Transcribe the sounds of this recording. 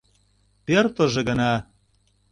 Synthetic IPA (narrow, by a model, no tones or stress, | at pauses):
pert̪ŏʒĕɣə̆nɑ